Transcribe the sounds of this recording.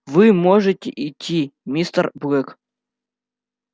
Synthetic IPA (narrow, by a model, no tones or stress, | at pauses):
vɨmoʐɨtʲɪ̰ʔɪtʲʰːimʲist̪ərbɣɛk